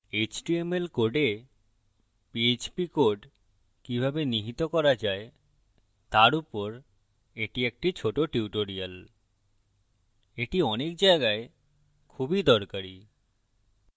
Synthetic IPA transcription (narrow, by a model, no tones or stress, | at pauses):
et͡ɕʈiemelkoɖe | piet͡ɕpikoɖ | kibʱabeniɦit̪okɔɾad͡ʑae | t̪aɾupoɾ | eʈiek̚ʈit͡ɕʰoʈoʈiuʈoɾial | eʈiɔnek̚d͡ʑaeɡae | kʰubid̪ɔɾkaɾi